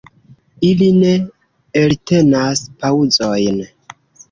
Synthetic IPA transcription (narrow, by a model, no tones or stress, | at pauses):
iline̞ | elte̞naspaud͡zo̞jn